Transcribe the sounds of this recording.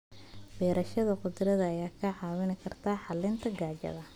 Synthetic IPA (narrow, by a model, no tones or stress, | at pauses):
b̥ɛːɾɐʃɐðɐqʊd̪ɾɐðɐːjaːkʰɐʕɑːwɪnɪkʰɐrt̪ʰaːħɑlɪnt̪ʰɐɡaːt͡ʃɐ̰ðɐ